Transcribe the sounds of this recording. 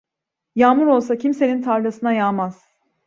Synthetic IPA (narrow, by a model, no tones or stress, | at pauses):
jaːmuɾo̞lˠs̬acʰimse̞nint̪ʰaɾd̪asɯnajaːmaz̥